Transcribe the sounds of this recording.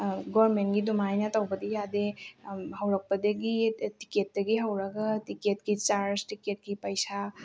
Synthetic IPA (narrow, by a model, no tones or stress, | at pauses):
ɡɔɾmenɡidumajnɐtawbɐdijadehawɾɐk̚pɐdeɡitiket̚dɐɡiɦawɾaɡatiket̚kit͡ʃaɾstiket̚kipɐjsa